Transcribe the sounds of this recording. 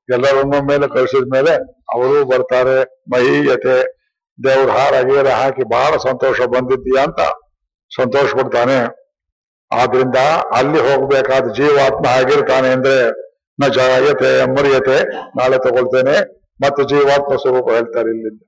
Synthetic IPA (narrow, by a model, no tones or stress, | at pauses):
ɛlːɐɾonːɐme̞ːlekɐɭsid̪ɐme̞ːle̞ɐ̰ʋɐɾuːbɐɾt̪aːɾe̞ | mɐɦijɐt̪e | nd̪eːɐʋɐɾuɦaːɾaːɡiɐɾeɦaːkibaːɭɐsɐnt̪oːʂɐbɐnd̪id̪ːijaːnt̪ɐ̰ | sɐnt̪oːʃɐpɐɽt̪aːne | aːd̪ɐɾind̪ɐɐ̰lːiɦo̞ːɡbeːkaːd̪ud͡ʒiːʋaːt̪mɐɦaːɡiɾt̪aːneɐnd̪ɐɾe | nɐd͡ʒaːjɐt̪emɐɾjɐt̪e̞naːɭet̪ɔɡoɭt̪eːne | mɐt̪ːud͡ʒiːʋaːt̪̚mɐswɐɾuːpɐɦe̞ːɭt̪aːɾeilːind̪ɐ